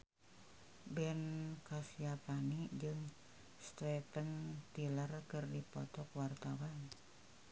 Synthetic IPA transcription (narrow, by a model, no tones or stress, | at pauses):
bɛnkasiapanid͡ʒɨŋ | st̪ɾɛpənt̪ilərkɨrdipɔt̪ɔkwart̪awan